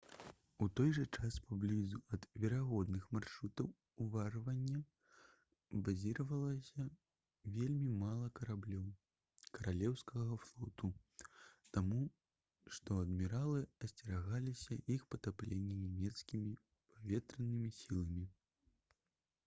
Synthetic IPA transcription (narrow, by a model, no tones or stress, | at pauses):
ut̪ɔjʐɐt͡ʂaspablʲizuɐd̪vʲɛɾaɣɔd̪nɨxmarʂut̪ɐw | uvarvɐnʲːɐ | bazʲiɾɐvɐlˠɐsʲɐ | vʲelʲmʲimalˠɐkɐɾablʲɔw | kɐɾalʲɛwskɐɣɐflˠɔt̪u | t̪amu | ʂt̪ɔɐd̪mʲiɾalˠɨɐsʲt͡sʲɛɾaɣalʲisʲɐʔixpɐt̪aplʲenʲːinʲɛmʲɛt̪skʲimʲi | pʰavʲɛt̪ɾɐnɨmʲisʲilˠɐmʲi